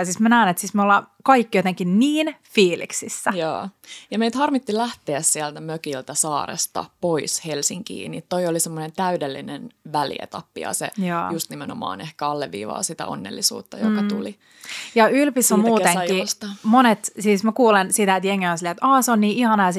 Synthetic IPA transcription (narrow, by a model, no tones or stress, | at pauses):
siːsmænæːnet̪siːsmeolːɑkɑikːijot̪eŋkinniːnfiːlḭksisːæjɑ̰ːjɑmeit̪hɑrmit̪ːilæht̪eːssiælt̪æmøkilt̪æsɑːrḛst̪ɑ̰poishelsiŋkḭːnit̪t̪oiolisemːonent̪æydelːinenʋælḭḛt̪ɑpːḭɑ̰sḛjɑːjust̪nimenomɑ̰ːnehkæɑlːeʋːḭːʋɑ̰ːsit̪æ̰o̰nːḛlːisṵːt̪ːɑjokɑt̪uli | jɑylpisːomuːeŋist̪monet̪siːsmækuːlensit̪æet̪jeŋːeosilːeet̪ɑːseonniːʔihɑnɑːs